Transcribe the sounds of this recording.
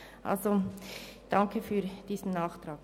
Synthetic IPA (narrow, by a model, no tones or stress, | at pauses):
ʔa̰lzo | d̥ɑŋkʰəfyːd̥iːsn̩nɑːχtrɑːk